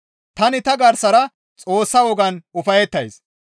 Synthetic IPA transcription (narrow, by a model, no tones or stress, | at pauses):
t̪ɐnɪt̪ɐɡɐɾsɐɾɐ | t͡sʼo̞ːsːɐwɔɡɐnʊfɐjɛt̪ːɐjs